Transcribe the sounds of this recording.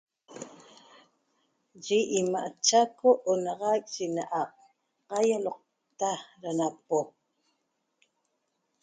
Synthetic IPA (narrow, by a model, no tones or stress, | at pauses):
ʒiʔimaʔat͡ʃakoʔonɑʁɑk̚ʼʒinaʔɑq̚ | qɑjaloq̚ | t̪aɾanapo